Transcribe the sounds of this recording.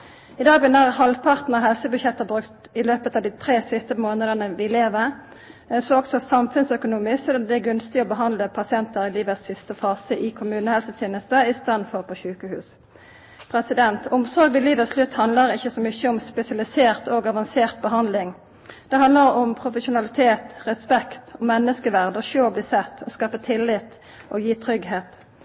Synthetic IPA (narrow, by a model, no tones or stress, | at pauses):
ɪd̪ɑːɡbnəʁhɑlʋpʰɑʁt̪nəʁɦɛlsəbʉɕjɛt̪ːəbʁʉkt̪ɪløːpət̪ɑːʋd̪iːt̪ʰɾeːsɪst̪əmoːnəd̪ənəʋɪleːʋə | soːɔksɔsɑmfʉnsœkʊnuːmɪssɔd̪ɑnd̪ɛæɡʉnst̪ɪɔbəɦɑnd̪ləpʰɑsɪɛnt̪əʁɪliːʋəsːɪst̪əfɑːsəʔɪkʰʊmʉːnəhɛlsət̪ʰjeːnəst̪əɪst̪ɑːd̪n̩fɔʁpʰɔːɕʉːkəhʉ̰ːs | pʰɾɛsɪd̪ɛnt̪ɔmsɔʁɡʋɪliːʋətslʉt̪ːhɑnd̪ləʁɪçːəsɔmʏçːəɔmspɛsɪɑlɪseːʁt̪ʰoɡɑʋɑnseːʁt̪̚bəɦɑnd̪lɪŋ | d̪̥ɛɦɑnd̪ləʁɔmpʰʁʊfəʃʊnɑlɪt̪ʰeːt̪ʁɛspɛkt̪ɔmɛnːəskəʋæʁd̪əɔʃøːbliːsɛt̪ʰːɔskɑːfət̪ʰɪlːɪt̪ | ʔoːjiːt̪ʰʁʏɡheːt̪